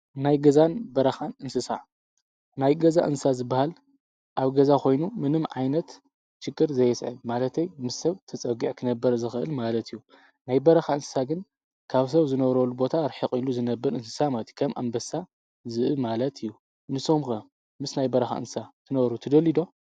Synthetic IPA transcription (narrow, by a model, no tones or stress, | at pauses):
najɡɐzanbɐɾɐxanɨnsɨsa̰ | najɡɐzaʔɨnsɨsazɨbːahal | ʔaβɡɐzakʰo̞jnumɨnɨmʕajnɐt̪ | t͡ʃɨkʼːɨɾzɐjɛsʕɨmalɐt̪ʰɐjmɨsːɐβt̪ʰɐt͡sʼɐɡiʕkʰɨnɐbːɐɾzɨxɨʔɨ̰lmalɐt̪ʰɨjːu | najbɐɾɐxaɨnsɨ̥saɡɨn | kʰaβs̬ɐβzɨnɐβɾolubo̞t̪ʰaɾħiqʼiluzɨnɐbːɐɾɨnsɨ̥samat̪ʰi̥kʰɐmʔa̰mbɐsa | zɨʔɨmalɐt̪ʰɨjːu | nɨsomkɐ | mɨsnajbɐɾɐxa̰ɨ̰nsat̪ʰɨnɐβɾut̪ʰɐd̪ɐlid̪o̞